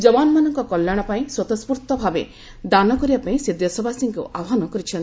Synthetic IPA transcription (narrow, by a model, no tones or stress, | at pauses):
d͡ʒɔbanmanɔŋkɔkɔlːjaɽ̃ɔpaĩswɔt̪ɔspuɾt̪ɔbʱabe | d̪anɔkɔɾibapaĩsed̪jɔsɔbʱasiŋkṵʔabɔɦanɔkɔɾit͡ʃʰɔnt̪i